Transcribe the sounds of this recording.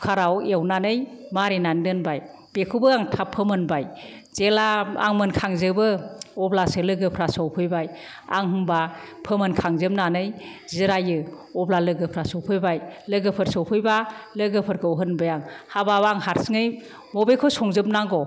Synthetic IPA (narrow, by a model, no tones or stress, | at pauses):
kʰaɾawewnanɯjmaɾinandɯnbaj | b̥ekʰubɯaŋtʰapʰɯmɯnbajz̥elaa̰ŋmɯnkʰaŋzɯbɯɔblasɯlɯɡɯpʰɾasɔwpʰɯjbaj | a̰ŋɦɯmbapʰɯmɯnkʰaŋzɯmnanɯjziɾajɯɔblalɯɡɯpʰɾasɔwpʰɯjbajlɯɡɯpʰɯɾsɔwpʰɯjbalɯɡɯpʰɯɾkʰɯɔɦɯnbɯjaŋhababaŋhaɾsɯŋɯj | mɔbekʰɔsɔŋzɯp̚naŋɡɔ